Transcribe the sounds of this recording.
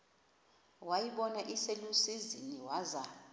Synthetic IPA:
wajiɓɔnaʔiselusiziniwaza

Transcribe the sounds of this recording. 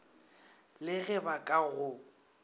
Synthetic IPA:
lɪɣɛbakʼaɣʊ

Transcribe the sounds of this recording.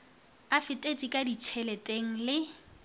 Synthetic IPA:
afɪtʼet͡sʼikʼadit͡ʃʰɛlɛtʼeŋ̩lɪ

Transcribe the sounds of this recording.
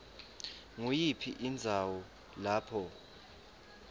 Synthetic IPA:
ŋujipʰiʔind͡zʱawɔ | laːpʰɔ

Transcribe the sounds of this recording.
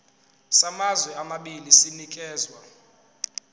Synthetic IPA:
samazwɛamaɓilisinikʼɛːzwa

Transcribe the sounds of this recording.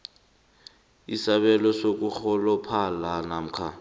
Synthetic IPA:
isaɓɛlɔsok̬ʼuxɔlɔpʰalanam̩kʰa

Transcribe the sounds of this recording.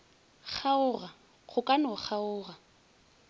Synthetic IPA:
χaʊra | χʰʊkʼanɔχʰaʊːra

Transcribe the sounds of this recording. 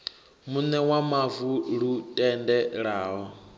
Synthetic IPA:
munɛwamavuɺutʼɛndɛɺaːɦɔ

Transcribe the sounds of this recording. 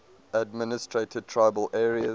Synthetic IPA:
əd̚mɪnɪstʰɹ̥etʰɪd̚tʰɹ̥aɪbəlʔɛːɹiə

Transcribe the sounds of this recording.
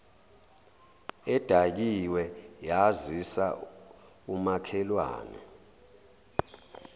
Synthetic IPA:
ɛd̥ʱak̬iwɛjazisa | umakʰɛlwa̰ːnɛ̰

